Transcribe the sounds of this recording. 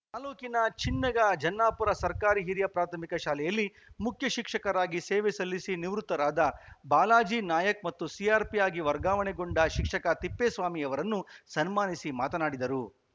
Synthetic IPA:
t̪aːloːkinɐt͡ʃinːɐɡɐd͡ʒɐnːaːpuɾɐsɐɾkaːɾiɦiɾjɐpɾaːt̪ʰɐmikɐʃaːlɛjɐlːi | mukʰjɐʃikʂɐkɐɾaːɡiseːʋɛsɐlːisiniʋɾut̪ːɐɾaːd̪ɐbaːlaːd͡ʒiːnaːjɐk̚mɐt̪ːusiaːɾpijaːɡiʋɐɾɡaːʋɐnɛɡoɳɖɐʃikʂɐkɐt̪ipːeːsʋaːmiɐʋɐɾɐnːusɐnmaːnisimaːt̪ɐnaːɽid̪ɐɾu

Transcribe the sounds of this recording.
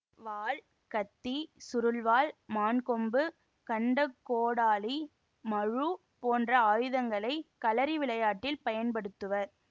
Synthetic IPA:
ʋaːɭ | kɐt̪ːisʊɾɯlʋaːlmaːnkɔmbɯ | kɐɳɖɐkːoːɽaːli | mɐɻu | poːndrɐaːjɯðɐŋɡɐɭɐɪkɐlɐɾiʋɪɭɐjaːʈːɪlpɐjɐnpɐɽɯt̪ːɯʋɐɾ

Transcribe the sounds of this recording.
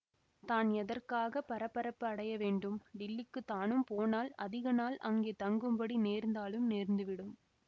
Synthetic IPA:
t̪aːnɛðɐrkaːɣɐpɐɾɐpːɐɾɐpːɯɐɽɐjɐʋeːɳɖɯmɖɪlːɪkːɯt̪aːnɯmpoːnaːlɐ̰ðɪɣɐnaːlɐŋɡeːt̪ɐŋɡɯmbɐɽineːɾnd̪aːlɯmneːɾnd̪ɯʋɪɽɯm

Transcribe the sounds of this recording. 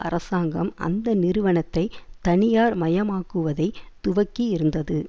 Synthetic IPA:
ʔɐ̰rɐsaːŋɡɐmɐ̰nd̪ɐnɪɾɯʋɐɳɐt̪ːɐɪt̪ɐɳɪjaːɾmɐjɐmaːkːɯʋɐðɐɪt̪ːʊʋɐkːiɪɾɯnd̪ɐðɯ

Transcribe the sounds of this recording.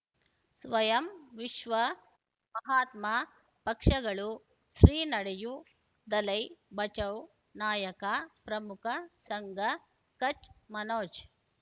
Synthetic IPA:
sʋɐjɐmʋiʃʋɐ | mɐɦaːt̪ma | pɐkʂɐɡɐɭu | sɾiːnɐɽeju | d̪ɐlɐjbɐt͡ʃɐw | naːjɐkapɾɐmukʰɐsɐŋɡɐ | kɐt͡ʃmɐnoːt͡ʃ

